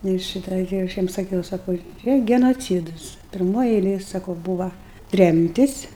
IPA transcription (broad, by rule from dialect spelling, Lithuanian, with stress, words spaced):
ˈnʊ ɪr ˈʃʲiːtɐ ɡʲɪ ɐʃ ˈjiɛm sɐˈkʲɛʊ sɐˈkɐʊ ˈt͡ʃʲɛ ɡʲɛnoːˈt͡sʲiːdʊs pʲɪrˈmoːj ɛɪˈlʲeːj sɐˈkɐʊ ˈbuːʋɐ ˈtʲrʲɛmʲtʲɪs